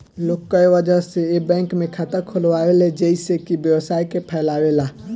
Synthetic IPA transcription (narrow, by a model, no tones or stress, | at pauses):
lokːəjʋəd͡ʒəseebɛ̃ŋkmẽkʰat̪əɾkʰolʋaeled͡ʒəisekibjəwsaikepʰɛɪlawela